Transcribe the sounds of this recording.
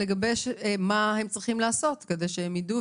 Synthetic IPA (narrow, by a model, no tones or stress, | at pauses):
eɡɐbejʃmahemt͡sʁiχimlaːso̞tkedejʃehemjidu